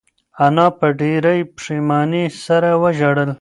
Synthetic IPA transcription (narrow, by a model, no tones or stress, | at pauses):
anɑpəɖiɾajpʂimɑːnisaɾawəʒaɽəl